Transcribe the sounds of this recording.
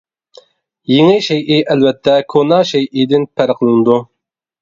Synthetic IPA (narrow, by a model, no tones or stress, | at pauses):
jɪŋɪʃɛjʔiʔælvɛt̪ʰːɛkʰonɑʃɛjʔid̪ɪnpʰæɾqʰəlˠɨnɨd̪u